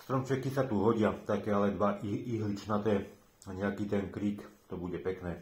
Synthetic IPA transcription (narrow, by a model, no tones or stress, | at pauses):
st̪ɾɔmt͡ʃɛkisat̪uɦɔɟɪat̪akɛːalɛd̪ʋaʔiʔiɦlit͡ʃnat̪ɛː | aɲɛakiːt̪ɛnkɾiːkt̪ɔbuɟɛpɛknɛː